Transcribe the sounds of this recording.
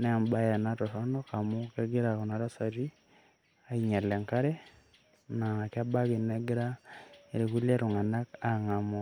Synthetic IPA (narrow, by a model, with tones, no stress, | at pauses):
nɛ˦a˨mba˦jɛ˨na˦tɔ˨tɔ˦nɔ˦ka˨mʊ˦kɛ˦ɡɪ˦ɾa˨kɔ˨na˨˦ɾa˦sa˨ɾi˦ | a˦i˨ɲa˨lɛ˨ŋka˦ɾɛ˦ | na˨ŋa˨kɪ˦a˦ba˦ɡɪ˨nɛ˦ɡɪ˦ɾa˦e˨ɾe˨ku˦lje˦ɾʊ˨ŋa˨na˦ka˨ŋa˨mɔ˨